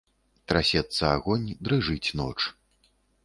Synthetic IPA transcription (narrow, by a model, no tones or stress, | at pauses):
t̪ɾasʲɛt̪sːɐaɣɔnʲd̪ɾɨʐɨt͡sʲnɔ̰t͡ʂ